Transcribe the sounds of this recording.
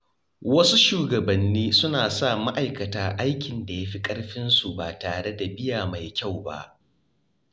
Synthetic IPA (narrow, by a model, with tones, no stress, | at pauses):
wɐ˦su˦ʃuː˨ɡɐ˨bɐ˨nːiː˦sʊ˦naː˨sa˦˨ma˦ʔa˨jkɐ˨taː˨ʔa˦jkʲɪ˨nda˨ja˦ɸi˦kʼɐ˦ɽɸɪ˦nsu˨baː˨taː˨ɽe˦da˨bɪ˦jaː˨ma˨jkʲa˦˨wba̰˦ʔ